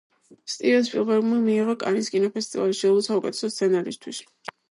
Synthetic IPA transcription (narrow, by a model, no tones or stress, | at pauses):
st̪ʼiɾɛspʼiɾvɛɾmamiːʁɔkʼa̰niskʼinɔpʰɛst̪ʼivalʃiɔlˠɔsaukʼɛt̪ʰɛ̥sɔst̪sʰɛnaɾist̪ʰwis